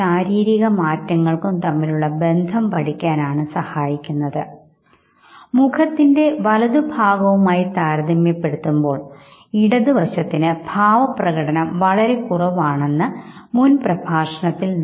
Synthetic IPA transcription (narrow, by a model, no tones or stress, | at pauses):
aːɾiːɾiɣɐmaːtːɐŋːɐɭkumt̪ɐmːiluɭːɐbe̞nd̪ʱɐmpɐʈikʲːaːnaːɳɨsɐhaːjikʲːunːɐðɨ | mukʰɐt̪ːinde̞ʋɐlɐðubʱaːɡɐʋumaːjit̪aːɾɐd̪ɐmjɐpːe̞ɽut̪ːumbo̞ːɭ | iɽɐðuʋɐɕɐt̪ːinɨbʱaːʋɐprɐɣɐɽɐnɐmʋɐɭɐɾe̞kurɐʋaːɳe̞nːɨmunprɐbʱaːʂɐɳɐt̪ːiln